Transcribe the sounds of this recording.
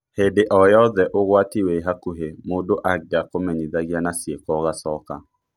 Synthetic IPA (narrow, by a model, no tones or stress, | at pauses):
hedeʔɔjɔðɛʔoɣwatiweɦakuɦemodoʔaɡɡakomɛɲiðaɣjanasjekɔɣasɔka